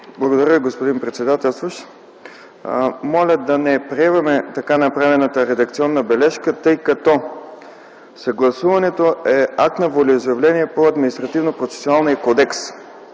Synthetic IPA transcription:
blˠɐɡod̪ɐɾʲəviɡospod̪inpɾɛt̪sɛd̪at̪ɛlˠst̪voʃ | mɔlʲəd̪ɐnɛpɾiɛvɐmɛt̪ɐkanɐpɾavɛnət̪əɾɛd̪ɐkt̪siɔnːəbɛlɛʃkət̪ɤjkɐt̪ɔ | sɐɡlˠɐsuvɐnɛt̪oɛak̚t̪nɐvolʲɛizojɛvlʲɛniɛpoɐd̪minist̪ɾɐt̪ivnopɾot̪sɛ̥soalˠnijɐkɔd̪ɛks

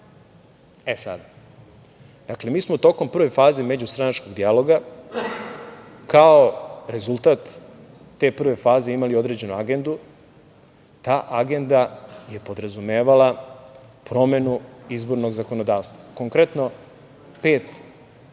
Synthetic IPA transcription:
esa̰d̪a | d̪̥akle̞miːsmot̪o̞ko̞mpr̩ʋe̞faːze̞me̞d͡ʑust̪ɾanat͡ʃko̞ɡd̪ijalo̞ɡa | kao̞ɾe̞zulˠt̪aːt̪ː | e̞ːpr̩ʋe̞faːze̞imalio̞d̪ɾe̞ːd͡ʑe̞nuaɡe̞nd̪u | t̪aːʔaɡe̞nd̪aje̞po̞d̪ɾazume̞ːʋala | pɾo̞me̞nuizbo̞ɾno̞ɡzako̞nod̪aːʋst̪ʋako̞ŋkɾet̪no̞ | peːt̪

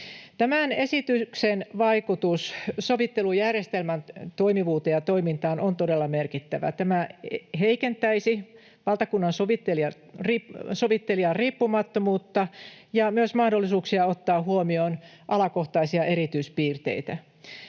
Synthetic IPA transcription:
t̪æmænesit̪yksenʋɑikut̪ussoʋit̪ːelujærjest̪elmænt̪oimiʋuːt̪ejɑt̪oimint̪ɑːnont̪odelːɑmerkit̪ːæʋæ̰t̪æmæɦeikent̪æisi | ʋɑlt̪ɑkunːɑnsoʋit̪ːeliɑ | risoʋit̪ːeliɑrriːpːumɑt̪ːomuːt̪ːɑjɑmyøsmɑhdo̞lːisuːksiɑot̪ːɑːɦuomioːn | ʔɑlɑkoht̪ɑisiɑʔeɾit̪yispiːrt̪ḛit̪æ

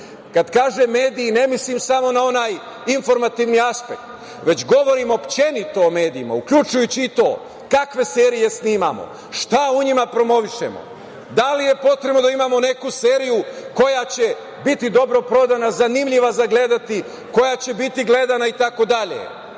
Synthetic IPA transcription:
kad̪kaːʒemːe̞ːd̪iːne̞mislimsamo̞nao̞naːj | info̞ɾmat̪iʋniaspe̞k̚t̪ | ʋe̞t͡ɕɡo̞ʋo̞ɾimopt͡ɕenit̪o̞ome̞ːd̪iima̰ukʎut͡ʃujut͡ɕiːt̪o̞̰ː | kakʋe̞se̞ːɾije̞sniːma̰mo̞̰ | ʃt̪auɲimapɾo̞mo̞ʋiʃe̞̰mo̰ | d̪alije̞po̞t̪ɾebno̞d̪aimamo̞ne̞kuse̞ːɾijuko̞jat͡ɕe̞ | bit̪id̪o̞bɾo̞pɾo̞d̪anazanimʎiʋazaɡle̞d̪at̪i | ko̞jat͡ɕe̞bit̪iɡle̞d̪anait̪ako̞d̪aʎḛ

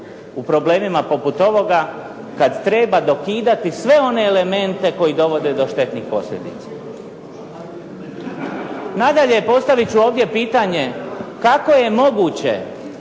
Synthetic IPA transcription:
upɾo̞ble̞ːmimapo̞put̪o̞ʋo̞ɡa | kad̪t̪ɾe̞ːbad̪o̞kiːd̪at̪isʋe̞o̞ne̞ːle̞me̞nt̪e̞ko̞jid̪o̞ʋo̞d̪e̞d̪o̞ʃt̪e̞t̪nixpo̞sʎʲe̞̰d̪it̪sḁ | nad̪aʎejpo̞st̪aʋit͡ɕuo̞ːʋd̪je̞piːt̪aɲe̞kako̞je̞mo̞ɡuːt͡ɕe̞̰

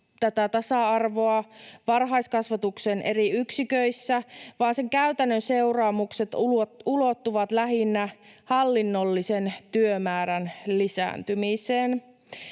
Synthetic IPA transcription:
t̪æt̪æt̪ɑsɑɑrʋoɑʋɑrɦɑjskɑsʋɑt̪uksenʔe̞ɾiyksikøisːæʋɑːnse̞ŋkæyt̪ænːønse̞urɑːmukset̪ulo̞t̪ːuʋɑt̪læɦinːæhɑlːinːolːisent̪yømæːɾænlisæ̰ːnt̪ymiseːn

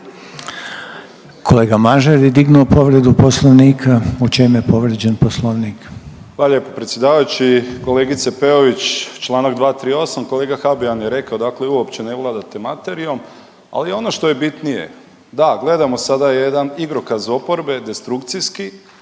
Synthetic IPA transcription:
kʰo̞le̞ːɡamaʒeɾjed̪iɡnuopo̞ʋɾe̞d̪uposlˠoʋniːkʰaut͡ʃemje̞po̞ʋɾed͡ʑenposlˠoʋnik | ʋaːlʎjepopɾet̪sʲje̞d̪aːʋajut͡ɕiko̞le̞ɡit̪sepeoʋit͡ɕt͡ʃlˠaːnaɡd̪ʋaːt̪ɾiːo̞samkoleːɡaxabianjeɾe̞kaod̪akleuopt͡ɕe̞neʋlˠad̪at̪emat̪e̞ɾio̞m | a̰lio̞noʃt̪o̞je̞bit̪nije̞̰ | d̪aɡle̞d̪amo̞sad̪ajed̪aniɡɾokazo̞po̞ɾbe̞d̪est̪ɾukt̪siski

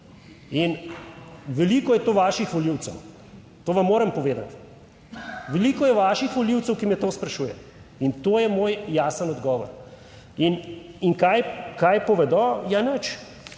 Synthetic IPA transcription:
in | ʋɛliːkɔjɛt̪oːʋaːʃixʋɔliwt̪sɛw | t̪oːʋamːoːɾɐmpɔʋeːd̪a̰t̪ | ʋɛliːkɔjɛʋaːʃixʋɔliwt̪sɛwkimɛt̪oːspɾɐʃuːjɛ̰ | int̪oːjɛmoːjːaːsənɔd̪ɡɔːʋɔ̰ɾ | iniŋkajkajpɔʋɛd̪ɔjanət͡ʃ

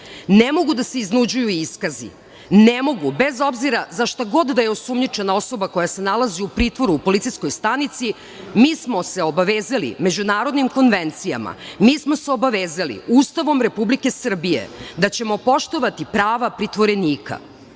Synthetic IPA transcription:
nemo̞ɡud̪aseiznud͡ʑujuiskazḭ | nemo̞ɡubezo̞bziɾazaʃt̪aɡo̞d̪d̪ajeosumɲit͡ʃe̞nao̞so̞bako̞jase̞nalaziupɾiːt̪ʋo̞ɾuːpo̞lit̪sijsko̞jst̪anit̪si | miːsmo̞se̞o̞baʋeːzalḭme̞d͡ʑunaːɾo̞d̪nimko̞nʋent̪sija̰ma̰miːsmo̞seobaʋeːzalḭuːst̪aʋo̞mɾe̞publike̞sr̩bijḛd̪at͡ɕe̞mo̞po̞ʃt̪o̞ʋat̪ipɾaːʋapɾit̪ʋo̞ɾe̞niːka̰

